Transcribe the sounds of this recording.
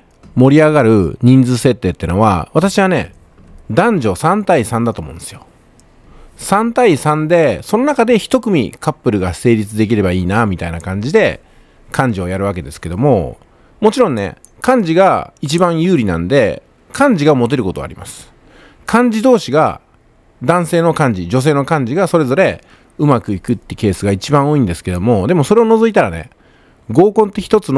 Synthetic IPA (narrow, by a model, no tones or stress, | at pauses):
mo̞ɾʲiaɡaɾɯ̟ɲ̟ĩnd͡zɨse̞t̪ːe̞ːt̪ːeno̞βa̰βat̪aɕiβane̞̰ | d̪ãɲ̟d͡ʑo̞sãnt̪aisãnd̪at̪omõ̞̰ːnd̪esijo̰ | sãnt̪aisãnd̪e̞so̞no̞nakad̪e̞çi̥t̪o̞kɯ̟mʲḭkapːɯ̟ɾɯ̟ɡase̞ːɾʲit͡sɨd̪e̞k̬ʲiɾe̞baiːnamʲit̪ainakãɲ̟d͡ʑid̪e̞ | kãɲ̟d͡ʑiojaɾɯ̟βake̞d̪e̞sɨ̥ke̞d̪omo̞̰ | mo̞t͡ɕiɾõ̞nne̞̰ | kãɲ̟d͡ʑiɡait͡ɕibãɰ̃jɯːɾʲinã̰nd̪e̞ | kʰãɲ̟d͡ʑiɡamo̞t̪̬e̞ɾɯ̟ko̞t̪o̞a̰ɾima̰sɨ̥ | kʰãɲ̟d͡ʑid̪o̞ːɕiɡa̰ | d̪ãɰ̃se̞ːno̞kãɲ̟d͡ʑid͡ʑo̞s̬e̞ːno̞kãɲ̟d͡ʑiɡaso̞ɾe̞zo̞ɾe̞ | ɯ̟makɯ̟ikɯ̟t̪ːeke̞ːsɨɡait͡ɕibãɰ̃o̞ːĩnd̪e̞sɨ̥ke̞d̪o̞mo̞d̪e̞mo̞so̞ɾe̞o̞no̞zoit̪aɾane̞̰ | ɡo̞ːkõ̞nt̪ːe̞çi̥t̪o̞t͡sɨn